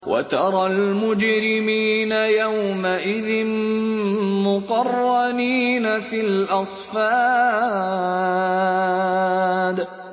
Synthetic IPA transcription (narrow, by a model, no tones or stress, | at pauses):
wʔa̰t̪ɑɾˤɑlmʊd͡ʒɾɪmiːnajawmaʔɪðɪn | mʊqɑrˤːɑniːnafilʔɑsˤfaː | d̪